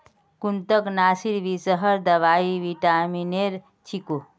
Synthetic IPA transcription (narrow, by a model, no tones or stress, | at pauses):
kunt̪əknasiɾbisəɦəɾd̪əβaiʋiʈamineɾ | t͡ʃʰiko